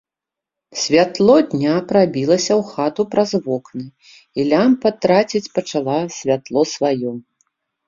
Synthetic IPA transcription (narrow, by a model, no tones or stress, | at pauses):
sʲvʲat̪lˠɔd̪ʲnʲapɾabʲilˠɐsʲɐwxat̪upɾazvɔknɨ | ilʲampɐt̪ɾat͡sʲit͡sʲpɐt͡ʂalˠasʲvʲat̪lˠɔsvajɔ